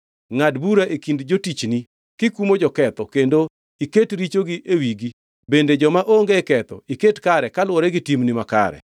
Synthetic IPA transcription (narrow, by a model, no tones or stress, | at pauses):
ŋadbuɾaʔekindd͡ʒotit͡ʃni | kɪkumod͡ʒɔkɛt̪ɔkendo | iketɾit͡ʃoɡiʔewiɡi | bended͡ʒɔmaʔoŋɡekɛt̪ɔ̰iketkaɾɛkalwɔɾɛɡɪtimnimaka̰ɾɛ̰